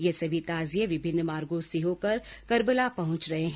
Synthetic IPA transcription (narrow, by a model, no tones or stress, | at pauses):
jesɐbʱit̪aːzijẽʋɪbʱɪnːmaːɾɡõsɪɦõkɐɾkɐɾbəlapɐɦʊ̃t͡ʃɾɐɦeɦ